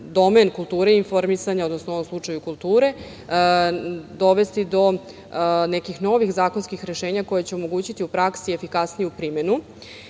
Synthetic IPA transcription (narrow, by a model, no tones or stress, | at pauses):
d̪o̞menkulˠt̪uːɾeinfoɾmisaɲaod̪nosnoo̞ʋo̞mslˠut͡ʂajukulˠt̪uːɾe̞ | d̪o̞ʋe̞st̪id̪o̞ | nekixno̞ʋixzaːkonskixɾe̞ʃe̞ːɲako̞jet͡ɕeomo̞ɡuːt͡ɕit̪iupɾaksiefikasnijupɾime̞nu